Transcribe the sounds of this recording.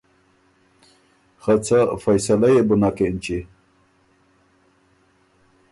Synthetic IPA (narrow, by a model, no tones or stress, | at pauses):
xat͡sʰafɐjsalajebunakent͡ɕi